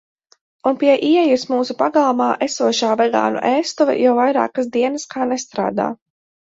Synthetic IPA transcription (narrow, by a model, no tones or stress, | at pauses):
unpiɛʔiɛjusmuːsupaɡalˠmaːʔɛsuɔʃaːvɛɡa̰ːnṵʔɛːst̪uvɛ̰jawvajɾa̰ːkasd̪iɛnaskaːnɛst̪ɾa̰ːd̪a̰ː